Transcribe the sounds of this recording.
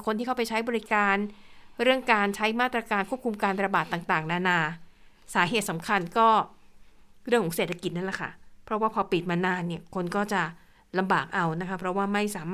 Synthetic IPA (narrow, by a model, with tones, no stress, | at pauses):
kʰo˧nt̪ʰiː˥˩kʰa˥˩p̬a˧jt͡ɕʰa˦˥jbɔː˧ɾi˦˥kaː˧nɾɯ˥˩əŋkaː˧nt͡ɕʰa˦˥jmaː˥˩t̪ɾa˧kaː˧nkʰu˥˩pkʰu˧mkaː˧nɾa˧baː˨˩t̪ːaː˨˩ŋt̪aː˨˩ŋnaː˧naː˧ | saː˨˩˦ɦeː˨˩t̪̚sa˩˦mkʰa˧nkɔː˥˩ | ɾɯ˥˩ŋkʰɔː˨˩˦ŋse˨˩t̪ʰːa˧ki˨˩t̪̚na˥˩la˨˩kʰa̰˥˩pʰɾɔ˦˥waː˥˩pʰɔː˧pi˨˩t̪̚maː˧naː˧nːi˥˩ɐkʰo˧nkɔː˥˩t͡ɕa˨˩ | la˧mbaː˨˩k̚ʔa˧wna˦˥kʰa˦˥pʰɾɔ˦˥waː˥˩ma˥˩jsaː˨˩˦maː˥